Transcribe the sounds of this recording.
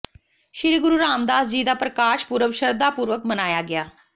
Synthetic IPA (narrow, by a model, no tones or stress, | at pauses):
ʃɪɾiɡʊɾuːɾaːmd̪aːsd͡ʒiːd̪aːpɾəkaːʃpuːɾəʋʃəɾd̪aːpuːɾʋəkmənaːjaːɡɪaː